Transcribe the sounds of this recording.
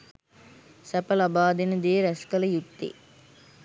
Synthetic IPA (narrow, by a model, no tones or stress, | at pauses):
sɐpɐlɐbaːd̪inɐd̪eːɾɐskɐlɐjut̪ːḭ